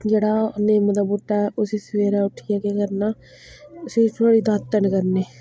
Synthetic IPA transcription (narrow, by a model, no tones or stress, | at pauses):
d͡ʒəɽaːneməd̪abuʈːaʊsisʋeːɾaʊʈʰijakekəɾna | ʊset̪ʰoːɽid̪aːt̪ːənkəɾneː